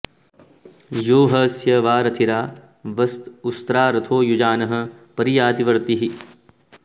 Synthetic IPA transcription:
joːɦɐsjɐʋaːɾɐt̪ʰiɾaː | ʋɐst̪ust̪ɾaːɾɐt̪ʰoːjud͡ʒaːnɐɦɐ̆pɐɾijaːd̪iʋɐɾt̪iɦi

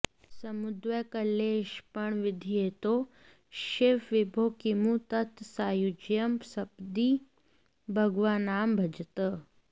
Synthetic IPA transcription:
sɐmud̪ʋɐkɐleːʃpɐɳʋɪd̪ʱijeːt̪oː | ʃefʋɪbʱoːkimũt̪ɐt̪saːjud͡ʒjɐmsɐpd̪i | bʱɐɡʋaːnaːmbʱɐd͡ʒt̪ə

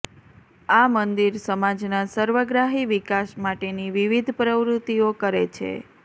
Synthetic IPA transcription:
amənd̪iɾsəmad͡ʒnasəɾʋəɡɾaɦiʋikaʃmaʈeniʋiʋid̪ʱpɾəʋɾut̪iokəɾet͡ʃʰḛ

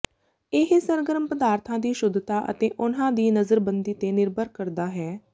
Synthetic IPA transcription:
ɪɦsəɾɡəɾəmpəd̪aːɾt̪ʰãːd̪iːʃʊd̪t̪aːʔə̰t̪eːʔʊnãːd̪iːnəzəɾbənd̪iːt̪eːnɪɾbəɾkəɾd̪aːɦɛː

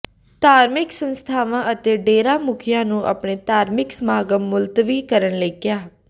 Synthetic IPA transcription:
t̪aːɾmɪksənst̪ʰaːʋãːʔət̪eːɖeːɾãːmʊkʰɪjãːnũːʔə̰pɳeːt̪aːɾmɪksəmaːɡəmːʊlt̪ʋiːkəɾənləiːkjaː

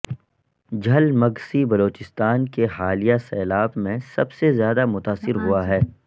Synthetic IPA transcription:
d͡ʒʱɐlmɐɡsibɐloːt͡ʃɪst̪aːnkeɦaːlijasɛːlaːbmẽsɐbsezjaːd̪amʊt̪aːsɪɾɦuaɦɛː

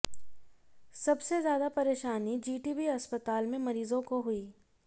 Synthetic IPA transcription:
sɐbsezjaːd̪apɐɾeːʃaːnid͡ʒiːʈiːbiɐspət̪aːlmẽmɐɾiːzõkoɦʊiː

